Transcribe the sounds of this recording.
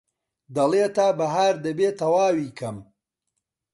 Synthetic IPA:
d̪ɐlˠeːt̪aːbɐɦaːɾd̪ɐbeːt̪ɐwaːwiːkʰɐm

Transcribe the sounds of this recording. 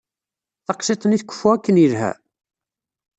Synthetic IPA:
θɑqsˤet̪ˤəniθkʷːə̥fːuækːənilɦæ̰

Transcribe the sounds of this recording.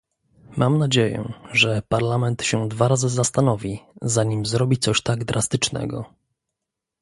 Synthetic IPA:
mʔamnad͡ʑejɛ̰ʐɛpaɾlamɛnt̪ɕɛd̪vaɾazɘzast̪anɔvʲizaɲimzɾɔbʲit̪sɔɕt̪aɡd̪ɾʔast̪ɘt͡ʂnɛ̰ɡɔ̰

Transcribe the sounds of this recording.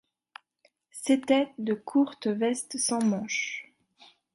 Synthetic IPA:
set̪ɛd̪əkʰuʁt̪vɛst̪sɑ̃mɑ̃ʃ

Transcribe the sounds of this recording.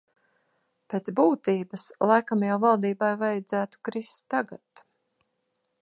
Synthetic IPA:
peːt̪sbuːt̪iːbəslˠajkamjawvalˠd̪iːbajvajad̪zæːt̪u̥kɾist̪aɡat̪

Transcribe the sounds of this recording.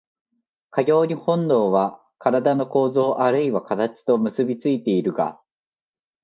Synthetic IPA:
kaɡʲo̞ːɲ̟ihõ̞nd̪o̞ːβa | kaɾad̪ano̞ko̞ːzo̞ːʔaɾɯ̟iβakat̪at͡ɕi̥t̪o̞mɯ̟sɨbʲit͡sɨit̪e̞iɾɯ̟ɡa̰

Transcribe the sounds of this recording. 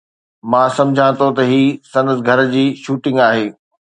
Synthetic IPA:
mãːsɐ̃md͡ʑʱãt̪ʰot̪ɐɦiːsɐ̃nd̪əsɡʱɐɾd͡ʑiːʃuːʈɪ̃ŋɡaːɦeː

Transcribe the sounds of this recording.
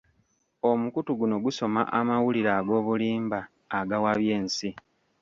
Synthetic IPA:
o̞mukutuɡuno̞ɡuso̞ma̰ʔamawuliɾaːɡo̞ːβuliːmbaː | ɡawaβje̞ːnsi

